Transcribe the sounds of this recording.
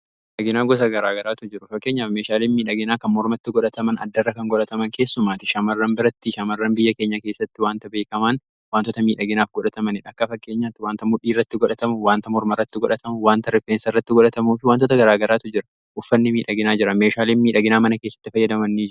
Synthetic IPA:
ᶑɐɡɪnaːɡɔs̬ɐɡɐɾaːɡɐɾaːt̪ʊd͡ʒɪɾʊfɐkːe̞ːɲːaːfmeːʃaːliːnmiːᶑɐɡɪnaːkɐnmɔɾmɐt̪ːɪɡɔᶑɐt̪ɐmɐnɐ̰d̪ːɐrːɐkɐŋɡɔᶑɐt̪ɐmɐŋke̞ːsːʊmaːt̪ɪʃɐmɐrːɐnbɪɾɐt̪ːɪʃɐmɐrːɐnbɪjːɐke̞ːɲːɐke̞ːsːɐt̪ːɪwaːnt̪ɐbe̞ːkɐman | waːnt̪ɔt̪ɐmiːᶑɐɡɪnaːfɡɔᶑɐt̪ɐmɐnɪᶑɐkːɐfɐkːe̞ːɲːaːt̪ːɪwaːnt̪ɐmʊᶑiːrːɐt̪ːɪɡɔᶑɐt̪ɐmʊwaːnt̪ɐmɔɾmɐrːɐt̪ːɪɡɔᶑɐt̪ɐmʊwaːnt̪ɐɾɪfeːnsɪrːɐt̪ːɪɡɔᶑɐt̪ɐmuːfɪwaːnt̪ɔt̪ɐɡɐɾaːɡɐɾaːt̪ʊd͡ʒɪɾɐ | ʔʊfːɐnːɪmiːᶑɐɡɪnaːd͡ʒɪɾɐmeːʃaːliːnmiːᶑɐɡɪnaːmɐnɐke̞ːsːɐ̥t̪ːɪfɐjːɐd̪ɐmɐnːiːd͡ʒɪɾʊ

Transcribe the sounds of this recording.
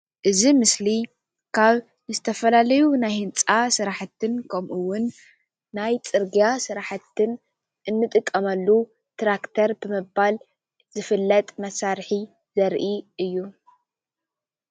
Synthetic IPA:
ʔɨzimɨsli | kʰaβ | nɨzɨt̪ʰɐfɐlalɐjunajhɨnt͡sʼasɨɾaħat̪ːɨnkʰɐmʔuwʊnː | ajt͡sʼɨɾɡijasɨɾaħat̪ʰːɨn | ʔɨnːɨt̪ʼɨkʼːɐmɐlːu | t̪ʰɾakt̪ʰɐɾbɨmɨbal | z̥ɨfɨlːɐt̪ʼmɐsaɾħi | zɐɾʔiʔɨjːu

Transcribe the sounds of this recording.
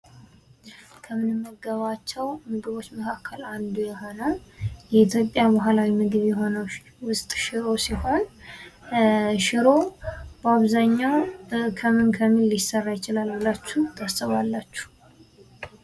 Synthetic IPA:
kʰəmɨnɨmːəɡəβat͡ʃːɛwmɨɡɨβo̞t͡ʃːməkʰakʰːəland̪ujɛho̞nəwjɛit̪ʰjo̞pʼjabaɦalawimɨɡɨβjɛɦo̞nəw | wʊsʼt̪ʼʃɪɾo̞siho̞n | ʃɪɾo̞bəaβzaɲːawkʰəmɨnkʰəmilːɪsərːajɪt͡ʃɪlalwɨlat͡ʃːut̪ʰasəβalːat͡ʃːu̥

